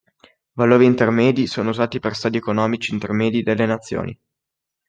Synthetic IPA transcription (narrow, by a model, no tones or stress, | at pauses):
valoːɾiːnt̪ermɛːd̪isoːnouzaːt̪iperst̪aːd̪iɛkonɔːmit͡ʃiːnt̪ermɛːd̪id̪elːenat̪sːjo̰ːnḭ